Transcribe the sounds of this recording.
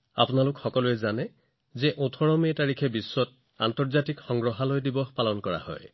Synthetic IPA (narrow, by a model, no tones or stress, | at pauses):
a̰pʊnalʊkxɔkɔluɛzanɛ | zɛʔotʰɔɹɔmiɛtaɹikʰɛbisːɔt̚ | a̰ntɔɹzatikxɔŋɡɹɔɦalojdibɔpalɔnkɔɹa̰hɔ̰j